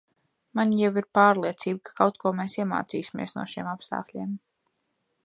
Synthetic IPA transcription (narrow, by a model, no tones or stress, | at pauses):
manjawiɾpaːɾlˠiɛt̪siːb̚kḁkawt̪̚kuɔmeːsiɛma̰ːt̪siːsʲimʲḭɛsnṵɔʃiɛmapst̪a̰ːklʲiɛm